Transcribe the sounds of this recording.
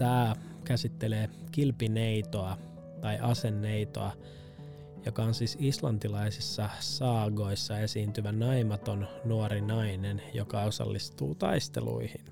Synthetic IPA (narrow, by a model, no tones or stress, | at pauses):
t̪æː | kæsit̪ːe̞leːkilpineit̪oɑ | t̪ɑjʔɑse̞nːeit̪o̰ɑ | jo̞kɑonsiːsislɑnt̪ilɑisisːɑsɑːɡo̞isːɑe̞siːnt̪yʋænɑimɑt̪o̞nnuoɾinɑinenjo̰kɑo̞sɑ̰lːist̪uːt̪ɑ̰ist̪e̞̰lṵihin